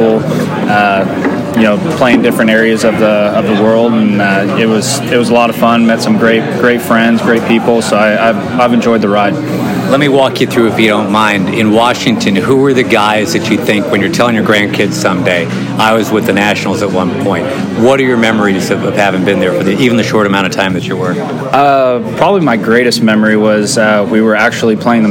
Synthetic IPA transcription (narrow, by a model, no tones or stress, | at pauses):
l̩ˠ | ʌ | jɨnoʊpʰl̥eɪɪ̃ŋdɪfɹɨ̃ntɛɹiɨzʌvðəʌvðəwɜ˞lˠdə̃n̩ʌɪt̚wʌz̥ | ɨt̚wʌzəlɔɾʌv̥fʌ̃nmɛtsʌ̃mɡɹeɪt̚ɡ̥ɹeɪtfɹɛ̃ndzɡɹeɪt̚pʰipl̩ˠsoʊaɪaɪv | aɪvɨ̃nd͡ʒɔɪd̪̚ðɨɹaɪd̚ | lɛt̚miwɔkʰjɨθɹʉɨfjɨɾõʊ̃nmãɪ̃ndɪ̰̃nwɑʃɪ̃ŋtʰɨ̃nɦuə˞ðɨɡaɪzðɨt͡ʃɨθɪ̃ŋkwɨ̃njə˞tʰɛlˠɪ̃ŋjə˞ɡɹæ̃nkʰɪdz̥sʌ̃mdeɪ | aɪwʌzwɨðɨnæʃnl̩ˠzət̚wʌ̰̃npʰɔ̃ɪ̃nt̚ | wʌɾə˞jə˞mɛmə˞iz̥ʌvʌv̥hævɪ̃ŋbɨ̃nðə˞fə˞ðiivɨ̃n̩ðɨʃɔɹɾɨmãʊ̃ɾ̃tʌ̥tʰãɪ̃mðɨt͡ʃɨwə˞k | ʌpʰɹ̥ɑbəblimaɪɡɹeɪɾɨst̚mɛmə˞iwʌzʌwiwə˞æk̚t͡ʃul̩ˠipʰl̥eɪ̃ŋðə